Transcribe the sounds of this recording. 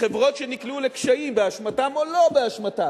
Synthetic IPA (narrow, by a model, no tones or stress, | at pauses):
χevʁo̞tʃeniklulekʃaimbeaʃmatamo̞lo̞beaʃmatam